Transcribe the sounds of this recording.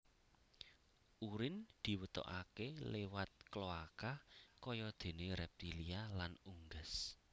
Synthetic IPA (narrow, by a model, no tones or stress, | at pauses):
ʔuɾɪnd̪̥i̤wət̪ɔ̰ʔakelewat̪̚kloakakɔjɔd̪̥e̤neɾɛp̚t̪ilialanuŋɡəs